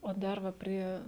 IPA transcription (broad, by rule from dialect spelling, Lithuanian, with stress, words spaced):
oː ˈdɐr ʋɐ ˈpʲrʲiɛ